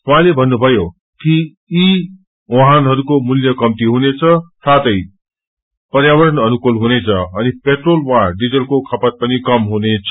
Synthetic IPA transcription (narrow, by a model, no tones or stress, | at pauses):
ɦuɦãlebʱʌnːubʱʌjo | kiː | oɦanɦʌɾukomuljʌkʌmt̪iɦunet͡sʰʌsat̪ʌj | pʌrjawʌɾʌnʌnukulɦunet͡sʰʌʌnipeʈrolwãɖid͡zʌlkokʰʌpʌt̪̚pʌnikʌmɦunet͡sʰ